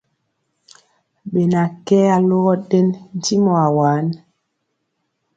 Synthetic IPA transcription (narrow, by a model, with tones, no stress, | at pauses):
ɓe˨na˨kɛ˦a˦lo˦ɣɔ˦ɗɛ˦nn̩˨˦ti˦mɔ˨a˨waː˨˦n